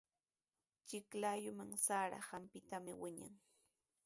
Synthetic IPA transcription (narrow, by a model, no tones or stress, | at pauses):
t͡ʃɪklaːjʊmaŋsaːɾa̰hampɪt̪amɪwɪɲa̰ŋ